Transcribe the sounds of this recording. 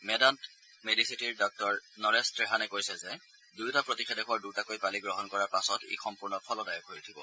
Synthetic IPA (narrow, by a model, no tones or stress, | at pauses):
mɛdant | medisitiɹdɔk̚tɔɹnɔɹɛstɹeɦanɛkojsɛzɛ | dujtapɹotixʰedɛkʊwaɹdutakojpaliɡɹɔɦɔnkɔɹaɹpasɔtḛjxɔmpuɹnɔpʰɔlɔdajɔkojitʰibɔ̰